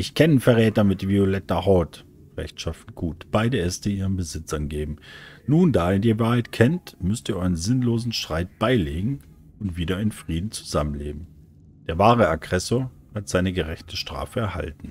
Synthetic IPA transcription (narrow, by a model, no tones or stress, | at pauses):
ʔɪçkʰɛnənfɛɐʁɛːtɐmɪtviolɛtɐhɔt | ʁ̥ɛ̰çtʃafn̩tɡ̥uːtb̥aɪdəɛstəiːʁənbəzɪt͡sʔanɡeːbm̩nuːndaːeːɐdiːvaːɐhaɪtkʰɛntmʏstiːɐʔɔʏʁənzɪnloːzn̩ʃtʁ̥aɪt̚b̥aɪleːɡŋ̩ | ʊntv̥iːɾɐɪnfʁ̥iːdn̩t͡su̥zamənlḛːb̚m̩ | d̥eːɐvaːʁəaɡʁɛsoːɐ | hatz̥aɪnəɡəʁɛçtʰəʃtʁ̥a̰ːfəɛɐha̰ltn̩